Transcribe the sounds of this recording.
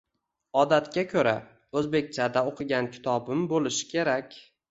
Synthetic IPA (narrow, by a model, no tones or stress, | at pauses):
ɒd̪at̪kʲakʲʰɵɾa̰ | ɵzbe̞k̚ʲt͡ʃʰad̪aoqʰɨɡʲankʲʰɪ̥t̪ʰɒbɪmbolɪʃɪ̥kʲʰe̞ɾakʲ